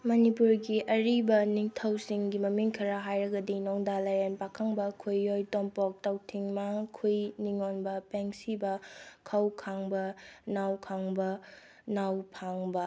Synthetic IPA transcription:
mɐnipuɾɡiʔɐɾibɐniŋtʰɐwsiŋɡimɐmiŋkʰɐɾaɦajɾɐɡɐdinoŋdalɐjanpakʰaŋbɐkʰujːojtompɔk̚tɐwtʰiŋmakʰujniŋonbɐpeŋsibɐkʰɐwkʰaŋbɐnawkʰaŋbɐ | nawpʰaŋbɐ

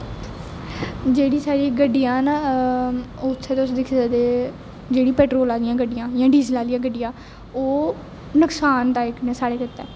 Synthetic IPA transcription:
d͡ʒeːɽiːsaːɾiːɡəɖːijãːna | oːʊt̪ʰːeːt̪eʊsd̪ɪkʰːd̪ad̪eː | d͡ʒeːɽiːpɛːʈɾoːlaːlɪjãːɡəɖɪjãːjãːɖiːzəlaːlijãːɡəɖːɪjãː | oː | nəksaːnt̪aːeknɛːsaːɽeːkɪt̪ːɛ̰ː

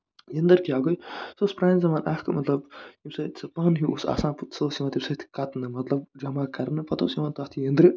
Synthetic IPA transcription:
jɐnd̪ɐɾkiaːɡojsospɾaːnzɐmaːnʔɐhkɨmɐt̪lɐbjimsɐt̪sɐpɐnɦiusa̰ːsãːnput̪sɐsiʋãːnt̪ʰimsɐt̪ʰi̥kɐt̪nɨmɐt̪lɐb̚d͡ʒɐmaːkɐɾnɨpɐt̪o̰ːsiʋaːnt̪aːt̪ʰijɐnd̪ɾɨ

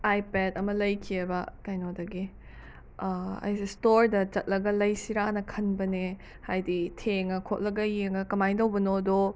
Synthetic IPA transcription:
ajpedɐmɐlɐjkʰiebɐkajnodɐɡi | ɐ̰jsistoɾdɐt͡ʃɐt̚lɐɡɐlɐjsiɾanɐkʰɐnbɐne | hajditʰeŋɐkʰot̚lɐɡɐjeŋɐkɐmajndɐwbɐnodo

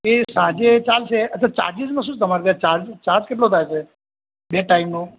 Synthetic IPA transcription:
esãd͡ʒet͡ʃalʃeət̪ːʰat͡ʃa̰ɾd͡ʒizmãʃ̬ũːt͡ʃt̪əmaɾb̪ãt͡ʃaɾd͡ʒt͡ʃaɾd͡ʒkeʈ̬lot̪ʰajt͡ʃʰe | beʈaimnũ

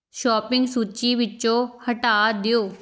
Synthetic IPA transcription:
ʃɔːpɪ̃ŋɡsuːt͡ʃiːʋɪt͡ʃõːhəʈaːd̪ɪjoː

